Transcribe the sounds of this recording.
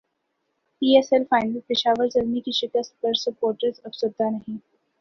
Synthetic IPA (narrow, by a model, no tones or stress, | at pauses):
piːesɛlfaːɪnpɪʃaːʋəɾzɐlmikiʃɪkəst̪̚pɐɾsʊpoːɾʈɾezɐfsʊɾd̪ʱanɐɦĩː